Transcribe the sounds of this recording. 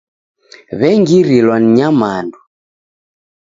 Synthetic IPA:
βɛŋɡiɾilwan̩ɲamandu

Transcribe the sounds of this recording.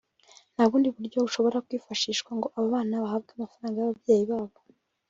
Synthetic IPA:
naβuːndiβuɾɟo̞uʃo̞βo̞ɾakwiːfaʃiːʃkwaŋɡo̞ʔaβaβaːnaβahab̚ɡeamafaɾaːŋɡajaβabje̞ːjiβaːβo

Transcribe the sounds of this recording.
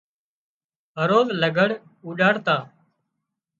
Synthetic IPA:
ɦəɾoːzləɡʱəɽ | uːɗaːɽt̪aː

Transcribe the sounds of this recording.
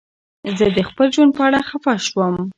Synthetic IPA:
zəd̪əxpəld͡ʒwan̚pəaɽaxafɑʃwəm

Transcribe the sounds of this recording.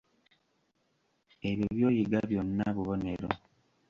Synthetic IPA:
eβjiβjo̞ːjiɡaβjonːaβuβo̞ne̞ɾo̰

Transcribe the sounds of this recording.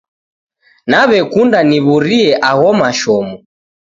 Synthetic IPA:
naβɛkundaniβuɾiɛʔaɣɔmaʃɔmɔ

